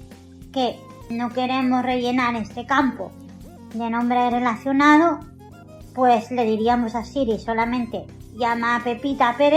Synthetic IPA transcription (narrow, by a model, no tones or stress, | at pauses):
ke̞ | no̞ke̞ɾe̞mo̞sre̞ʝe̞naɾe̞st̪e̞kampo̰ | d̪e̞nõ̞mbɾere̞laθjo̞nað̞o | pwe̞sle̞ðiɾiamo̞sasiɾiso̞lamẽ̞nt̪e̞ʝamape̞pit̪apeð